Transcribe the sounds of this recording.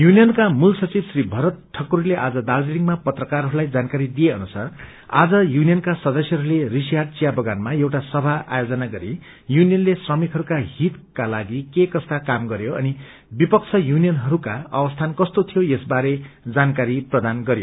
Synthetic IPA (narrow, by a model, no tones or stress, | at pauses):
junijʌnkamulsʌt͡sibsribʱʌɾʌt̪̚ʈʰːʌkuɾileʔad͡zʌd̪aldiliŋmapʌt̪rʌkarɦʌɾulajd͡zankaɾid̪ijeʌnusa̰r | a̰d͡zʌjunijʌnkasʌd̪ʌsjʌɦʌɾulerisijaʈ̚t͡sijabʌɡanmajewʈasʌbʱaʔa̰jod͡zʌnaɡʌɾi | junijʌnlesrʌmikɦʌɾukaɦit̪kalaɡikekʌst̪akamɡʌɾjoʌ̰ni | bipʌkt͡sʰʌjunijʌnɦʌɾukaʌ̰wʌst̪ʰankʌst̪ot̪ʰijojesbaɾed͡zankaɾiprʌd̪anɡʌɾjo